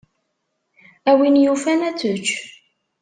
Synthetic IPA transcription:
æwinjufænæt͡sːət͡ʃː

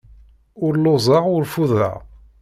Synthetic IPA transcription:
ʊɾlːozˤɑʁʊɾfuðɾa̰ʁ

